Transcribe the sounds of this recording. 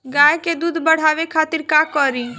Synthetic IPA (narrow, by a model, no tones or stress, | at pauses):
ɡaːjked̪uːd̪ʱbəɽ̤aːʋekʰaːt̪iɾkakɔɾĩ